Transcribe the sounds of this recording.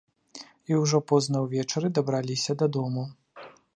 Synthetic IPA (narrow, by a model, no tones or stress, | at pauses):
iwʐɔpɔznɐwvʲɛt͡ʂɐɾɨd̪ɐbɾalʲisʲɐd̪ɐd̪ɔmu